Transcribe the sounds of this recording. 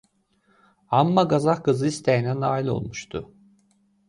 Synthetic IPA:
amːaɡazahkɯzɯist̪ʰejnænaːilʲˠo̞̰lˠmuʃt̪ʰʊ

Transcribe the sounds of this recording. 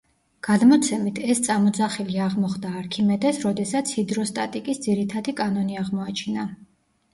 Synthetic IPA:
ɡ̥ad̪mɔt̪sʰɛmit̪ʰɛst̪sʼamɔd̪zaχiliaʁmɔχd̪aːɾkʰimɛd̪ɛsɾɔd̪ɛsat̪sʰid̪ɾɔst̪ʼat̪ʼikʼisd̪ziɾit̪ʰad̪ikʼanɔniaʁmɔat͡ʃʰina

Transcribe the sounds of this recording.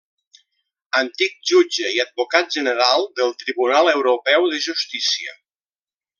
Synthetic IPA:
ənt̪ik̚d͡ʒud͡ʒəiəd̪̚bukat̪̚ʒənəɾalˠd̪əlˠt̪ɾiβunalˠəwɾupɛwðəʒust̪isiə̰

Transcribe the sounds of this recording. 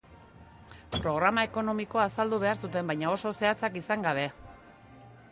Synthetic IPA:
pɾo̞ɣ̞ɾamae̞ko̞no̞miko̞asald̪uβ̞e̞aɾsut̪e̞mbajɲao̞so̞se̞at͡sakisaŋɡaβ̞e̞

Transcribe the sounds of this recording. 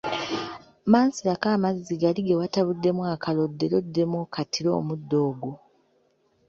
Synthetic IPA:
maːnsilakaːmazːiɡaliɡewataβudːe̞mwakalo̞dːe̞lo̞dːe̞mwokʰatʰiɾo̞̰ːmudːo̞ːɡo

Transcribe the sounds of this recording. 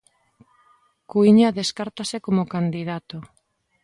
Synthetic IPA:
kuiɲaðeskaɾt̪asekomokand̪ið̞at̪o

